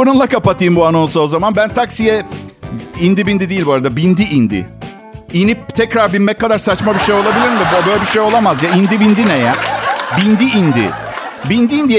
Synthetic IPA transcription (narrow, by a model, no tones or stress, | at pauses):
ununlˠakʰapat̪ʰɯjɯmbuano̞nsoozamanbænt̪ʰaksijɛ | ind̪ibind̪id̪iːilʲboaɾad̪abind̪iʔind̪ḭ | inip̚t̪ʰɛcɾaɾbinmɛc̚kːad̪aɾsat͡ʃmabiʃejo̞lˠabilʲiɾmd̪ɛbbøːjlʲɛbiʃejo̞lˠamazjaind̪ibind̪inejɛbind̪iind̪ḭ | bind̪iiːnd̪ij